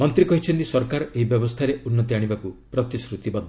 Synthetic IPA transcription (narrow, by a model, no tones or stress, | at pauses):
mɔnt̪ɾikɔɦit͡ʃʰɔnt̪isɔɾkaɾɔeɦibjɔbɔst̪ʰaɾeunːɔt̪iaɽ̃ibakupɾɔt̪isɾut̪ibɔd̪ʱ